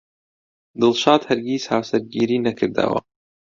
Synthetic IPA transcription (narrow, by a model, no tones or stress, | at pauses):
d̪ɨlˠʃɑːd̪hɐɾɡʲiːshaːwsɐɾɡiːɾiːnɐkʰɨɾd̪ɐ̰wɐ̰